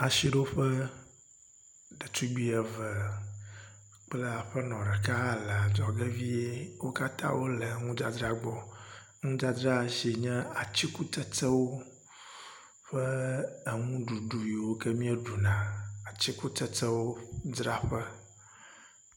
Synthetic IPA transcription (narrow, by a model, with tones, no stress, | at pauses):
a˨ʃi˨ɖo˦ɸə˦ | ɖɛ˨tu˦ɡ͡bi˦ɛ˨və˨ | k͡plɛ˦a˨ɸə˦nɔ̃˨ɖə˨ka˦˨lə˨a˨d͡ʒɔ˨ɡe˦vi˦e˦wo˦ka˦t̪ã̰˦wo˦lə˨ŋũ˦d͡ʒa˨dɾa˦ɡ͡bɔ˦ | ŋũ˦d͡ʒa˦dɾa˦˨ʃi˨ɲɛ̃˦a˨t͡ɕi˦ku˦t̪ɛ˦t͡sɛ˦wo˦ | ɸə˦ə˨ŋũ˦ɖu˨ɖu˨ji˨wo˦kɛ˦mĩ˦ɛ˦ɖu˨nã˨a˨t͡ɕi˦ku˦t̪ɛ˦tə˦wo˦dɾa˦ɸə˦